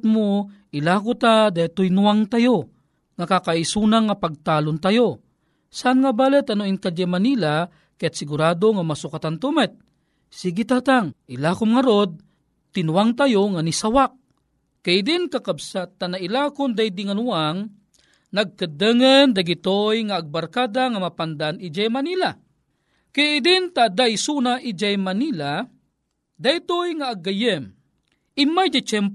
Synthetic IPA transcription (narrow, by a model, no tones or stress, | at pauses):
t̪moʔilakʊt̪ad̪at̪ojnuwaŋt̪ajo | ŋakakaisunaŋːapaɡ̚t̪aːlʊnt̪ajo | saʔanŋabalət̪anoinkad͡ʒamanila | kajat̪sɪɡuɾaːd̪oŋamasʊkat̪ant̪umɛt̪̚ | siɡit̪at̪aŋʔilakʊmŋaɾod̪̚ | t̪ɪnuwaŋt̪ajoŋanisawak̚ | kajd̪ɪnkakabsat̪anailakʊnd̪ajd̪iŋanuaŋ | naɡ̚kəd̪əŋənd̪aɡit̪ojŋaːɡ̚baɾkad̪aŋamapand̪anid͡ʒajmanila | kajɪd̪ɪnt̪ad̪ajsunaʔid͡ʒajmanila | d̪ajt̪ojŋaːɡːajəm | ɪmajd͡ʒat͡ʃɛmp